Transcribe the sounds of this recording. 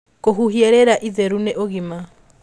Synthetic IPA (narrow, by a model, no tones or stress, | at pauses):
koɦuɦieɾeɾaʔiðeɾuneʔoɣima